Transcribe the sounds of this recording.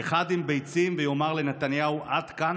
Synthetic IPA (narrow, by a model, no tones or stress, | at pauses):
eχad̪imbejt͡simvejo̞maʁle̞net̪anjauʔad̪̥kan